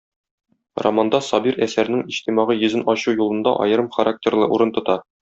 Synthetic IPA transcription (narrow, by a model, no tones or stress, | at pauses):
ro̰mand̪ɑsɒbiɾæsæɾnɘŋiɕt̪imɑʁɤjɵ̆zɘnɒɕujulˠɤ̆nd̪ɑ̰ʔɒ̰jɤ̆ɾɤmχɐɾak̚tʲerlˠɤʔuɾɤ̆nt̪ŏt̪ɑ